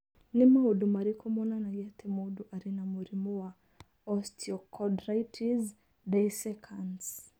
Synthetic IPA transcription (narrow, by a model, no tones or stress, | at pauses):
nimaudumaɾikʰɔmɔnanajatʰɛmoduʔaɾinamuɾimɔwa | ɔstʰiɔkʰɔdɾajtʰiz | dajsɛkʰans